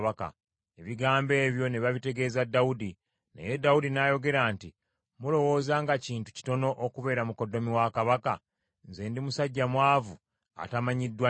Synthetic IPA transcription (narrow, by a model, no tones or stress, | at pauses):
βaka̰ | eβiɡaːmbe̞ːβjo̞ne̞βaβite̞ɡe̞zadaudi | nḛje̞daudinajo̞ɡe̞ɾaːnti | mulo̞wo̞ːzaːŋɡaciːntu̥ci̥to̞no̞ʔokuβe̞ːɾamuko̞do̞miwakaβaka | nze̞ːndimusaɟːamwaːvu | a̰tamaɲidːwa